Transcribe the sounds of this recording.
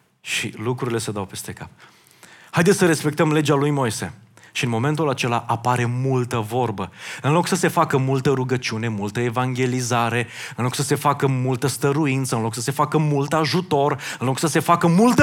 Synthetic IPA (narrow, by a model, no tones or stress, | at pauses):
ʃḭlukɾuɾile̞sed̪awpe̞st̪e̞kap̚ | hajd̪et̪səɾe̞spe̞k̚t̪əmle̞d͡ʒalujmo̞jse̞̰ʃiɨnmo̞me̞nt̪ulat͡ʃe̞laʔapaɾe̞mult̪əvo̞rbəɨnlo̞ksəse̞fakəmult̪əɾuɡət͡ʃiune̞mult̪əevaŋɡʲe̞lizaɾe̞ɨnlo̞ksəse̞fakəmult̪əst̪əɾuint̪səɨnlo̞ksəse̞fakəmult̪aʒut̪o̞rɨnlo̞ksəse̞fakəmult̪